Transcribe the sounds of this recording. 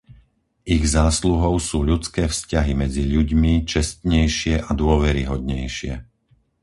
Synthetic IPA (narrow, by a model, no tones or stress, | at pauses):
iɣzaːsluɦɔʊsuːʎut͡skɛːfscaɦimɛd͡ziʎuɟmit͡ʃɛst̪ɲɛjʃɪɛʔad̪ʊɔʋɛɾiɦɔd̪ɲɛjʃɪɛ̰